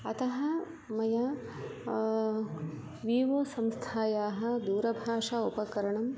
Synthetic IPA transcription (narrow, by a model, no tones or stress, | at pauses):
ɐt̪ɐɦɐ | mɐjɐ | ʋiːʋɐsɐmst̪ʰaːjaːɦɐ̆d̪uːɾɐbʱaːʂaupɐkɐɾɐɳɐm